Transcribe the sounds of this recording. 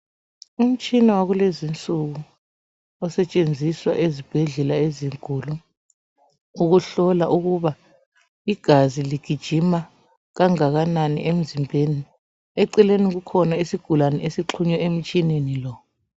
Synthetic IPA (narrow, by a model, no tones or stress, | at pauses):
um̩t͡ʃʼinɛwaɣulezint͡sʼuɣu | ɔsɛt͡ʃʼend͡zʱiswa̰ʔezib̥ʱɛɮɛlaeziŋkʼuːlu | uɣuɬɔlaʔuɣuβa | iɡ̥ʱaziliɡ̥ʱid̥ʒ̥ʱima | ɣaŋaɣananḭʔem̩zimbʱeni | ɛǀɛleniɣ̬ukʰɔnaesiɡ̥ʱulanɛesiǁʰuɲɛem̩t͡ʃʼinenilɔ